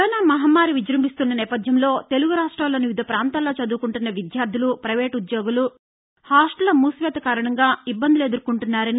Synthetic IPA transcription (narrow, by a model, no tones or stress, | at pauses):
ɐːnaːmɐɦɐmːaːɾiʋid͡ʒɾɐmbist̪unːɐnɛːpɐd̪ʱjɐmlo̞ːt̪e̞luɡuɾaːʂʈɾaːloːniʋid̪ʱɐpɾaːnt̪aːlo̞ːt͡ʃɐd̪uːkuɳʈunːɐʋid̪jaːɾd̪ʱilupɾɐʋeːʈud̪joːɡulu | haːʂʈɐlɐmuːsʋeːt̪ɐkaːɾɐɳɐŋɡaːibːɐnd̪iled̪uɾkuɳʈunːaːɾɐni